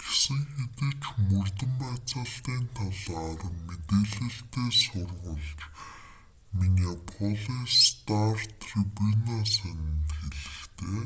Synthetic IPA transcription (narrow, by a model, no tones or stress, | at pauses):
ɡ̥e̥sɘ̆ŋxet̪ɘ̆t͡ɕmɵrt̪ə̆mpæːt͡sə̆ɬt̪iːnt̪ʰaɮaːrmet̪eːɮɘ̆ɬt̪eːsʊrʁə̆ɮt͡ɕ | minijapʰɔɮist̪art̪ʰripunasænʲɪ̆nt̪xeɮɘ̆xkt̪ʰeː